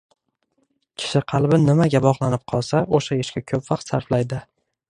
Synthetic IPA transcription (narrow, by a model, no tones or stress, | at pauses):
kʲʰɪ̥ʃɪqʰɑlˠbɪnɪmaɡʲabɒʁlˠanɪp̚qʰɒlˠsaoʃaɪʃkʲakʲʰɵpvɑq̚t̪saɾflajd̪ɪ